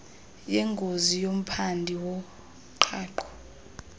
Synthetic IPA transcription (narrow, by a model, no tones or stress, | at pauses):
jɛŋɡʱozijom̩pʰandʱiwɔ | ǃʰaːǃɔ̥